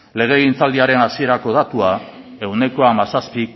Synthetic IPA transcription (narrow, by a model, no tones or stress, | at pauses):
le̞ɣ̞e̞ɣint͡sald̪iaɾe̞nasie̞ɾako̞ð̞at̪ua | e̞wne̞ko̞amasaspi